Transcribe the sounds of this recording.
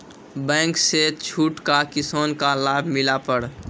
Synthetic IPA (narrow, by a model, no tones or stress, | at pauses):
bɛ̃ːŋkset͡ʃʰuːʈkakɪsoːnkalaːbʱmɪlapəɾ